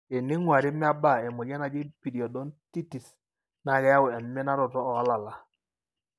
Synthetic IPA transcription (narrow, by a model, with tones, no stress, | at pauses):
e˨ni˦ŋwa˨ɾɪ˦mɪ˦a˦ba˦˨e˨mʊ˨ɡɛ˦na˨d͡ʒi˦pi˨di˨ɔ˨dɔ˦nti˦ti˨s | na˨kɛ˦ja˦wɛ˨mːɛ˦na˦ɾɔ˨tɔː˦˨a˦la˨la˨